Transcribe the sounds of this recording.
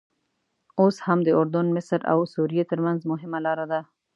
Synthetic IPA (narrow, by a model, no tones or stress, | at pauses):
oshamd̪əʊɾd̪ʊnmɪsɾa̰wsuɾijet̪əɾmanzmʊɦɪmalɑɾad̪a